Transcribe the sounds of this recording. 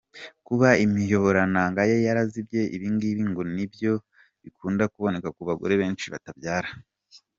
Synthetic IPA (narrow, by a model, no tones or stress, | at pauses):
kuβaimijo̞βo̞ɾanaŋɡajejaɾazibje̞ʔḭβiːŋɡiβiːŋɡonibjo̞ | βikuːndakuβo̞ne̞kakuβaɡo̰ɾeβe̞ːnt͡ʃiβa̰tabjaːɾa